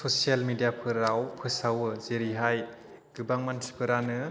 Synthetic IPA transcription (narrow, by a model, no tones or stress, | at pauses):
sɔsialmidijapʰɯɾawpʰɯsawɯzeɾiɦaj | ɡ̥ɯbaŋmantʰi̥pʰɯɾanɯ